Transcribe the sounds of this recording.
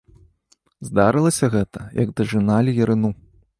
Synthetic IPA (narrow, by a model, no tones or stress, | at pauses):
zd̪aɾɨlˠɐsʲɐɣɛt̪ɐjɐɡd̪ɐʐɨnalʲijɐɾɨnu